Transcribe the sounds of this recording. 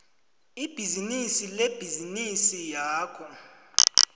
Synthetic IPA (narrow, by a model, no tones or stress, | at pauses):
ib̥ʱizinisileb̥ʱizinisijaːkʰɔ